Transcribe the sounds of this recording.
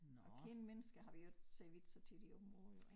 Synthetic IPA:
ɒ̽kʰenmenəsɡ̥ɐɦɑ̈ʋiod̥seʋid̥sɒt͡sʰid̥iɔ̽b̥m̩ʁoːðˠ

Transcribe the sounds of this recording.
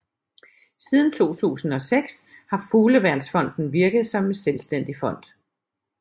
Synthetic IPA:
siːð̞ˠn̩t͡sʰo̝̰ːt͡sʰṵːsn̩ɒ̽seɡ̥shɑ̈fuːləʋæɐd̥sfɒ̽n̰d̥n̩ʋiɐɡ̥ð̩ˠsɒ̽me̝nselsd̥en̰d̥ifɒ̽n̰d̥

